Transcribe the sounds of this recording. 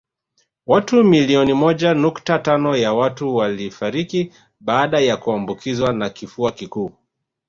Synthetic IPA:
watumiliɔnimɔʄanuktatanɔjawatuwalifaɾiki | ɓaːɗajakuambukʰizwanakifuakikuː

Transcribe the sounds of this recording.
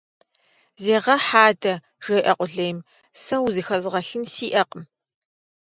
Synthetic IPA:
zeːʁɐħaːdɐ | ʒ̥ɐjʔɐqʷʼʊɮɐjm | sɐwzɨxɐzʁɐɬɨnsiːʔɐqʼəm

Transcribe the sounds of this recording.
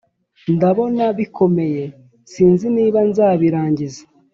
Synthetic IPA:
ndaβo̞naβikʰo̞me̞je̞ | siːnziniːβanzaːβiɾaːɲɟizḁ

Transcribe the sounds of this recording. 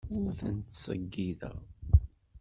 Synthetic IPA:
ʊɾθənt̪sə̰ɡːiðə̰

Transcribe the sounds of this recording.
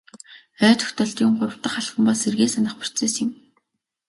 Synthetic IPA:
œːt̪ɵ̥xʲt̪ɔɮt̪jʊmɢʊɾə̆w̥t̪ə̆χaɮχə̆mpaserɣeːsanə̆χpʊ̥r̥t͡seːsɪ̆m

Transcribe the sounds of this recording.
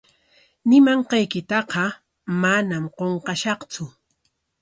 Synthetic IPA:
nɪmɑɴqɑjkɪt̪ɑqɑ | manamqoɴqɑʃɑχt͡sʊ

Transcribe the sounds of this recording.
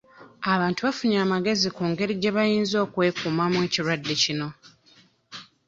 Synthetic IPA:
aβaːntuβafuɲaːmaɡe̞zikuːŋɡe̞ɾiɟe̞βajiːnzo̞ːkwe̞ːkumamwe̞ːciɾwadːecino̞

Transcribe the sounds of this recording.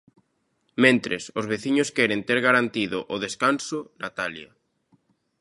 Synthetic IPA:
mẽnt̪ɾḛsʊzβeθiɲʊskɛɾent̪eɾɣaɾant̪iðʊʔʊðeskansʊnat̪alja

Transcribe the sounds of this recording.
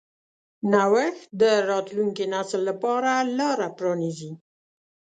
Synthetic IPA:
nawəxd̪əɾɑt̪luŋkenasəlːapɑɾalɑɾapɾɑnizi

